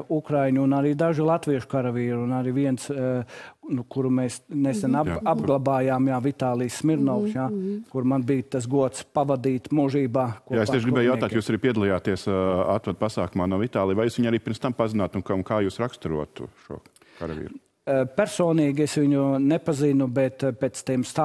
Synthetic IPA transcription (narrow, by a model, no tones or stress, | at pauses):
ukɾajɲuːnaɾiːd̪aʒɪlˠat̪ʋiɛʃʊ̥kaɾɐʋiːɾunaɾiʋiɛns | nukuɾumeːsnesɛnaabɡlˠabaːjaːmjaːʋit̪aːlˠiːsːmiɾnɔʊksjakuɾmanbiːjt̪as̬ɡuɔt̪spaʋad̪iːt̪muʒiːbaːkuɔjaesiɛʃɡibɛːjawt̪aːt̪juːsaɾiːpiɛd̪alˠijaːt̪iɛsa̰t̪vad̪̚pasaːkumaːnuɔvit̪aːlˠijʋajuːsʋiɲaɾiːpiɾmst̪ampazɪnaːt̪unknkaːjuːsɾakst̪uɾṵɔt̪ʊ̰ʃṵɔ | kaɾa̰ʋḭːɾ | pɛɾsoːniːɡʲesʋiɲunepazinubɛt̪peːt̪st̪eːmst̪a